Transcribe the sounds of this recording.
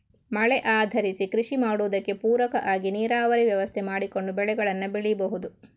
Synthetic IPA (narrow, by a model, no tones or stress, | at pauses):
mɐɭɛʔaːd̪ʱɐɾisikɾiʂimaːɽuʋɐd̪ɐkːe̞puːɾɐkɐʔaːɡiniːɾaːʋɐɾiʋjɐʋɐst̪ʰemaːɽiko̞ɳɖubɛɭɛɡɐɭɐnːɐbeɭibɐɦud̪u